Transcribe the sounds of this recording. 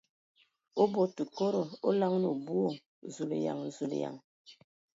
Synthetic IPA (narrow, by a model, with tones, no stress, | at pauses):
o˦bo˨tu˨ko˦ɾo˨o˦la˦ŋ˦no˨bu˦o˦˨ | zu˨lḛ˨ja̰˨ŋ˨zu˨lḛ˨ja̰˨ŋ